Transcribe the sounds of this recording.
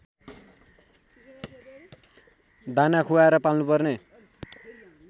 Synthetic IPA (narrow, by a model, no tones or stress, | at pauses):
d̪ʱanakʰuaeɾʌpalnupʌrne